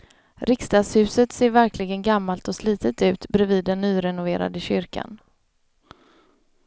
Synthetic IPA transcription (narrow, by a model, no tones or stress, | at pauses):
ɾʔɪkst̪ɑːd̪shʉ̟ːsət̪seːɾvæɾklɪɡənɡamːalt̪ɔsliːt̪ət̪ʉ̟ːt̪bɾɛviːd̪ːɛnːyːɾɛnʊveːɾa̰d̪əɕʏɾka̰n